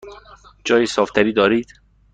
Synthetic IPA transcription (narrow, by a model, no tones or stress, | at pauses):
d͡ʒɒːjiːsɒːft̪ʰæɾiːd̪ɒːɾiːd̪̥